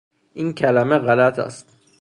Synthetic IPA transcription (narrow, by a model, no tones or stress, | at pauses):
ʔiːncʰælæmeɣælæt̪ʰæ̰st̪